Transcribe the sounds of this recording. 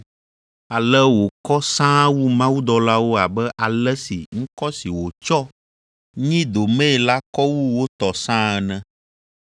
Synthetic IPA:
a˨lɛ˦wo˨kɔ˦sã˦wu˦mã˦wu˦d̪ɔ˨la˦wo˦a˨bɛ˦ʔa˨lɛ˦sḭ˨ŋ̩̃˦kɔ˦si˨wo˨t͡ʃɔ˦ | ɲĩ˦d̪o˨mɛ̃˦˨la˦kɔ˦wu˦wo˦t̪ɔ˨sã˦ɛ˨nɛ̃˦

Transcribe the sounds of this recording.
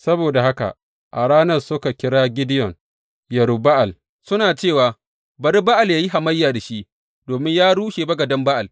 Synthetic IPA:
sɐ˦boː˨da˨ha˦ka̰˨ | ʔa˨ɽaː˦nɐ˦˨rsʊ˦ka˨kʲɪ˦ɽaː˦ɡʲɪ˦dɪ˦jɔ˨ŋ | jɐ˨ɾu˨ba˦ʔa˨l | sʊ˦naː˨t͡ʃeː˦˨waː˨ | bɐ˨ɾi˦ba˦ʔa˨ljaː˦ji˦ɦa˨mɐ˦jːaː˨da˨ʃi˦ʔ | doː˨mɪ˦ɲjaː˦ɽuː˦ʃeː˨bɐ˦ɡɐ˨dɐ˦mba˦ʔa˨l

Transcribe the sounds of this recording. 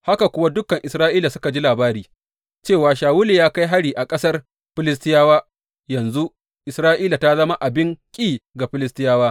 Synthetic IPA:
ha˦ka˨kʷʊ˦wa˦dʊ˦kɐ˨ŋʔɪ˨sɾaː˦ʔiː˦la˨sʊ˦ka˨d͡ʒi˦laː˨baː˦ɾiː˨ | t͡ʃeː˦˨waː˨ʃaː˨wʊ˦li˨jaː˦ka˦jɦa˦ɽiː˨ʔa˨kʼɐ˦sɐ˦r | ɸɪ˦lɪ˦s̬tɪ˦jaː˦waː˦ | jɐ˨nzu˦ | ʔɪ˨sɾaː˦ʔiː˦la˨ta˦zɐ˦ma˦ʔa˨bɪ˦ŋkʲʼiː˦ɡa˨ɸɪ˦lɪ˦stɪ˦jaː˦waː˦

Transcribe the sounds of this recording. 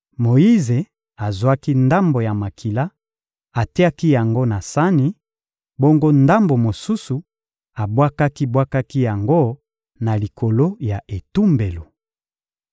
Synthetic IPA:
mo˨ji˦ze˨ | a˨zwa˦ki˦nda˦mbo˨ja˨ma˨kʰi˨la˦ | a˨te˦a˦ki˦ja˨ŋɡo˦na˨sa˦ni˨ | bo˦ŋɡo˦nda˦mbo˨mo˨su˦su˨ | a˨bwa˦ka˦ki˦bwa˦ka˦ki˦ja˨ŋɡo˦ | na˨li˨kʰo˨lo˦ja˨ʔe˨tu˦mbe˨lo˨

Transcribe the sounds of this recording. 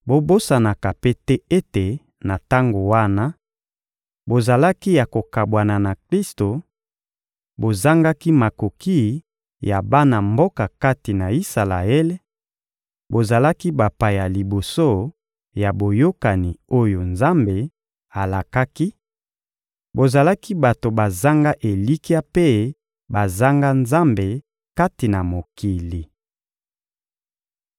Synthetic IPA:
bo˦bo˦sa˨na˨ka˨pe˦tɛ˦e˦te˨ | na˨ta˦ŋɡo˨wa˦na˦ | bo˨za˨la˦ki˦ja˨ko˨ka˨bwa˨na˨na˨kʁi˦sto˨ | bo˨za˦ŋɡa˦ki˦ma˨ko˨ki˦ | ja˨ba˦na˨mbo˦ka˨ka˦ti˨na˨i˦sa˨la̰˨e˦le˦ | bo˨za˨la˦ki˦ba˨pa˨ja˨li˨bo˨so˦ | ja˨bo˨jo˦ka˨ni˨o˦jo˨nza˦mbe˨ | a˨la˨ka˦ki˦ | bo˨za˨la˦ki˦ba˨to˨ba˨za˦ŋɡa˦ʔe˨li˦ki˦a˦pe˦ | ba˨za˦ŋɡa˦nza˦mbe˨ | ka˦ti˨na˨mo˨ki˨li˨

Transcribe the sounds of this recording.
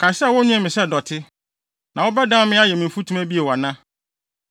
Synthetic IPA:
kʰa˨sɛ˦˨wʊ̃˦ɲʊ̃˦ɛ˦mɪ̃˨sɛ˦˨dɔ˨tʰɪ˦ | nã˨wɔ˦bɛ˦dã˦mɪ̃˦a˦jɛ˨mɪ̃˨m̩˨fu˦tʰũ˦æ˦bi˦e˨wa˨nã˦

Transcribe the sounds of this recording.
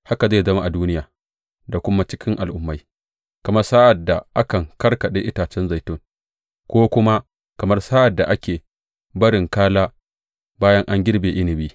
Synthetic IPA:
ha˦ka˨za˦˨jzɐ˦ma˦˨ʔa˨duː˦nɪ˦jaː˨ | da˨kʷʊ˦ma˦t͡ʃɪ˦kʲɪ˦ŋʔa˨lʔʊ˦mːa˦j | kɐ˨mɐ˦rsaː˦ʔa˨dːa˨ʔa˦kɐ˨ŋkɐ˦rkɐ˨ɗe˦ʔɪ˦taː˨t͡ʃɛ˦nza˨jtʊ˦˨ŋ | kʷoː˦kʷʊ˦ma˦ | kɐ˨mɐ˦rsaː˦ʔa˨dːa˨ʔa˦kʲeː˨ | bɐ˦ɾɪ˨ŋkaː˦laː˦ | baː˦jɐ˦ŋʔa˦ŋɡʲɪ˦rbeː˨ʔɪ˦nɪ˨biː˦

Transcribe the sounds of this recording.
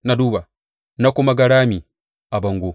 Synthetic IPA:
na˨du˦βa˨ | na˦kɔ˦ma˨ɡa˦ɾa˦mi˨ | a˨ba˨ŋɡo˨

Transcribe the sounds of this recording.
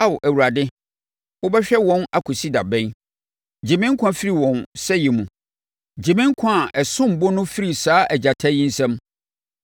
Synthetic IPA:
a˦wʔæ˨wu˨ɾa˨dɪ˦ | wʊ˦bɛ˦ɕᶣɛ˦wɔ̃˦na˨kʰʊ˨si˦da˨bɛ̃˦n | d͡ʑi˨mɪ̃˦ŋ̩˦kʷʰã˦fi˦ɾi˨wɔ̃˨nsɛ˦jɛ˨mũ˨ | d͡ʑĩ˨mɪ̃˦ŋ̩˦kʷʰã˦˨ʔɛ˨sʊ̃˦m̩˨bʊ˦nʊ̃˦fi˦ɾi˨saː˦ʔɛ˨d͡ʑa˨tʰɛ˦ji˦n̩˦sɛ̃˦m

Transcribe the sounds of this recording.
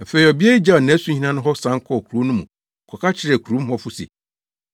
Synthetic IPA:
fe˦i˨ɔ˨bi˦e˦i˦d͡ʑa˦˨ɔ˨nã˨˦sũ˦hi˦nã˦nʊ̃˦ɦɔ˦sã˨˦ŋ˦kʰɔ˦˨kʰu˨ɾo˨˦nʊ̃˦mũ˨ | kʰɔ˨kʰa˦t͡ɕʰɪ˦ɾæ˨kʰu˨ɾu˨˦m̩˦ɦɔ˦fʊ˦sḭ˨

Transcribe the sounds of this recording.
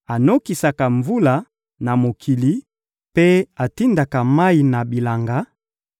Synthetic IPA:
a˨no˦ki˨sa˨ka˨ɱvu˦la˨ | na˨mo˨kʰi˨li˨˦ | pe˦a˨ti˦nda˨ka˨ma˦i˨na˨bi˨la˨ŋɡa˦

